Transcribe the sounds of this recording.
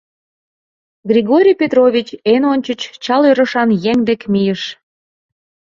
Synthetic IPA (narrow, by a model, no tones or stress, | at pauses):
ɡrʲiɣoɾʲijpʲet̪rovʲit͡ɕenonʲt͡ɕət͡ɕt͡ɕɑløɾə̆ʃɑnjeŋd̪ekmijəʃ